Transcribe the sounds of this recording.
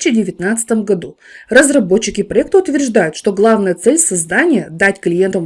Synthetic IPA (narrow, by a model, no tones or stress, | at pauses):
t͡ɕːɪdʲɪvʲɪt̪nat̪sə̥t̪əmɡɐd̪u | rəzrɐbo̞t͡ɕːɪkʲɪpɾɐɛk̚t̪əʊt̪vʲɪrʐd̪ajʊt̪ʂt̪o̞ɡlˠavnəjət̪sɛlʲsɐzd̪anʲɪjəd̪atʲklʲɪje̞nt̪əm